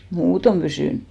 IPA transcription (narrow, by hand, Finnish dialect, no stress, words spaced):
muːtom pysyˑn